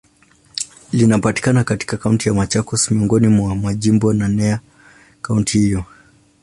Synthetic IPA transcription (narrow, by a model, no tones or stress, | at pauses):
linapati̥kanakati̥kakauntijamat͡ʃakɔsmiɔŋɡɔnimwamaʄimbɔnanɛa | kauntihijɔ